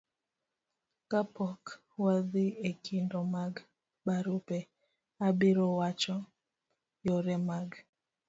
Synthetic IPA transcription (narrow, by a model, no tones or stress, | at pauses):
kapɔk | waðiekʰindɔmaɡ | baɾupɛ | abiɾɔwat͡ʃɔ | jɔɾɛmaɡ